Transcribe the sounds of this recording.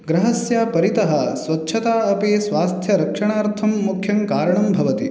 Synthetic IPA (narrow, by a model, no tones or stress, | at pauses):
ɡɾɐɦɐsjaːpɐɾit̪ɐɦɐsʋɐtːʃʰɐt̪aːɐpeːsʋaːst̪ʰjɐɾɐkʂɐɳaːɾt̪ʰɐmːukʰjɐŋkaːɾɐɳɐmbʱɐʋɐt̪i